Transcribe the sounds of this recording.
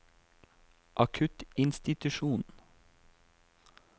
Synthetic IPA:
ʔɑkʰʉt̪ɪnst̪ɪt̪ʉʃuːn

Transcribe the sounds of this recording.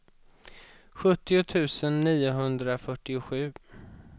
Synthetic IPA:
ɧɵt̪ːɪʊt̪ʰʉ̟ːsənːiːʊɦɵnd̪ɾafœʈːɪʊɧʉ̟ː

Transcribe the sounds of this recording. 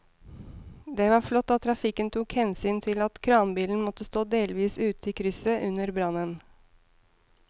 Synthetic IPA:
d̪ɛʋɑɾflɔt̪ːɑt̪ʰːɾɑfɪkənt̪ʰuːkhɛnsyːnt̪ʰɪlɑt̪kʰɾɑːnbiːln̩mɔt̪ːəst̪oːd̪eːlʋiːsʉːt̪iːkʰɾʏsəʔʉnəɾbɾɑnən

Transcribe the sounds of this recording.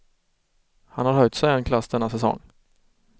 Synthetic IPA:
hanhaɾhœjt̪sɛjɛnkʰlasːd̪ɛnːasɛsɔ̰ŋː

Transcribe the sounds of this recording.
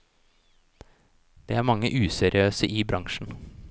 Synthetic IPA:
d̪̥ḛːæːmɑŋːə̰ʔʉːsɛɾɪøːsəʔiːbɾɑŋʃn̩

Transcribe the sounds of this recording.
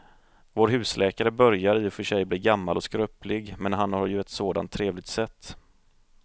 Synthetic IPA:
voːɾɦʉ̟ːslɛːkaɾəbœɾjaɾɪjʊfœʂɛjbliːɾɡamːalɔskɾœːplɪɡmɛnɦanhaɾjɵɛt̪soːd̪a̰nt̪ʰːɾeːvlɪɡ̚t̪sɛt̪ː

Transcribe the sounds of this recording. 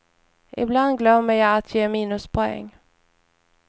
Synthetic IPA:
ʔɪ̰bland̪ɡlœmːəjɑːat̪ʰjeːmiːnɵspʰɔɛ̰ŋː

